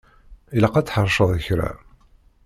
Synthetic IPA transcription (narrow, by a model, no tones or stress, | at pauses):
iləqɑt͡sːħəɾˤʃəðˤəçɾa̰